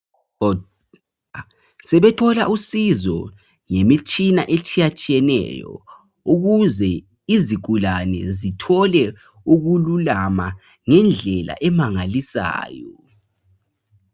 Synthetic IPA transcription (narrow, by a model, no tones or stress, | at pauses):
sɛβɛtʰɔlaʔusizɔ̰ | ŋemit͡ʃʼina̰ʔet͡ʃʼijat͡ʃʼijɛnɛ̰jɔ̰ | uɣuzɛ | iziɡ̥ʱulanɛ̰zitʰɔlɛ | uɣululama | ŋɛnd͡ɮʱɛla̰ʔɛmaŋalisa̰ːjɔ